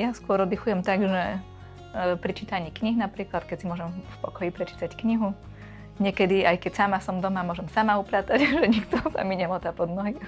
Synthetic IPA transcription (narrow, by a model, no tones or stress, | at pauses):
jaskʊɔɾɔd̪ixujɛmt̪aɡʒɛ | pɾit͡ʃit̪aɲiːkɲiɦnapɾiːklat̪kɛcsimʊɔʒɛmfpɔkɔjipɾɛt͡ʃi̥t̪ackɲiɦu | ɲɛkɛd̪iajkɛcsamasɔmd̪ɔmamʊɔʒɛmsamaupɾat̪aɟʒɛɲikt̪ɔsa̰miɲɛmɔt̪apɔd̪nɔɦi